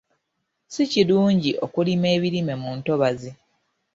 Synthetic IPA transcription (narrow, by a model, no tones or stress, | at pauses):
siciluːɲɟiʔo̞kulime̞ːβiɾime̞muːnto̞βazi